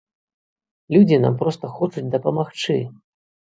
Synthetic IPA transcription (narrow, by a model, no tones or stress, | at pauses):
lʲud͡zʲina̰mpɾɔst̪ɐxɔt͡ʂut͡sʲd̪ɐpɐmaxt͡ʂɨ